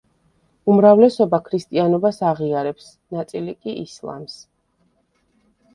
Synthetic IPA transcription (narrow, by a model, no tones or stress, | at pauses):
umɾavlɛsɔbakʰɾist̪ʼianɔbasaʁiaɾɛps | nat̪sʼilikʼiʔislˠa̰ms